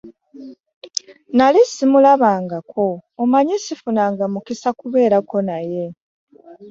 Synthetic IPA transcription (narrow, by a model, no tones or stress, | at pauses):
nalisimulaβaːŋɡakʰo̞ːmaɲisifunaːŋɡamukisakuβe̞ːɾako̞naje̞